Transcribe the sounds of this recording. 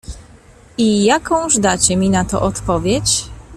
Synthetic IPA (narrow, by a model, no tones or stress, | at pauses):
ijakɔ̃w̃ʐd̪at͡ɕɛmʲinat̪ɔ̰ʔɔt̪pɔvʲjɛt͡ɕ